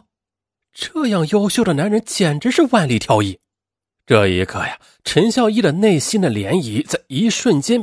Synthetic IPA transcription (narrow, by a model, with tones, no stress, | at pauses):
ʈ͡ʂɤ˥˧jɑ˥˩ŋjo˥ʊɕjo˥˩ʊɾə˩na˧˥nɻə˧˥nt͡ɕjɛ˨˩nʈ͡ʂɻ̩˧˥ʂɻ̩˥˧wa˥˧nli˥˩t̪ʰjɑ˥ʊi˥˩ | ʈ͡ʂɤ˥˩ḭ˧˥kʰɤ˥˩ja˨˩ | ʈ͡ʂʰə˧˥nɕjɑ˥˧ʊi˥˩d̪ə˩ne˥˩ɪɕi˥nd̪ə˨ljɛ˧˥ni˧˥t͡sa˥˩ɪi˧˥ʂwə˥˩nt͡ɕjɛ˥n